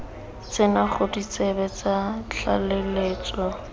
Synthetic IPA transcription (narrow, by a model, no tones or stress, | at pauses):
t͡sɪnaχʊdit͡sɛbɛt͡sat͡ɬʰa̰leleːt͡sʼɔ